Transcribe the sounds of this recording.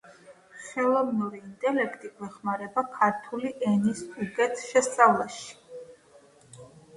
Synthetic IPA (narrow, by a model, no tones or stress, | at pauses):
χɛlˠɔvnuɾiːnt̪ʼɛlɛkʰt̪ʼiɡwɛχmaɾɛbakʰaɾt̪ʰuliʔɛnist̪ʼuɡɛnt̪ʼʃɛst̪sʼavlˠaʃi̥